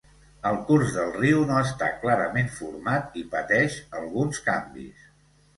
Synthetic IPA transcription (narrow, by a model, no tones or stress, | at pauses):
əlˠkurzðəlˠriwnoəst̪a̰klaɾəmeɱfuɾmat̪ipət̪ɛʃəlˠɣunskambḭs